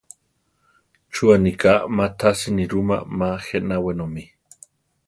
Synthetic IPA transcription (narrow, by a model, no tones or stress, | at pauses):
t͡ʃuanikamat̪ʰasiniɾuma̰maxenawenomi